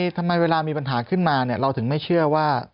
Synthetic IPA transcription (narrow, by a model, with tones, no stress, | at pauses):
t̪ʰa˧mːa˧jweː˧laː˧miː˧pa˧nɦaː˩˦kʰɯ˥˩nmaː˧ni˥˩ɐɾa˧wt̪ʰɯ˩˦ŋma˥˩jt͡ɕʰɯ˥˩ɐwaː˥˩